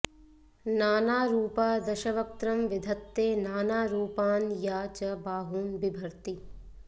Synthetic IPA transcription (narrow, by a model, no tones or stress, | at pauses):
naːnaːɾuːpaːd̪ɐʃɐʋɐk̚t̪ɾɐmʋɪd̪ʱɐt̪ːeːnaːnaːɾuːpaːnjaːt͡ʃɐbaːɦuːnbɪbʱɐɾt̪i